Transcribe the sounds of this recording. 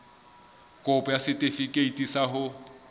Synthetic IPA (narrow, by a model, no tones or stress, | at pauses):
kʼʊpʼɔjasɪtʼefikʼeitʼisahʊ